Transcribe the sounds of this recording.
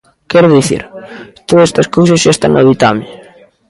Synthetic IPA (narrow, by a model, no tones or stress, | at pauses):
kɛɾðiθḭɾt̪oðsest̪ɐskowsɐsʃaest̪a̰nːoðit̪amɪ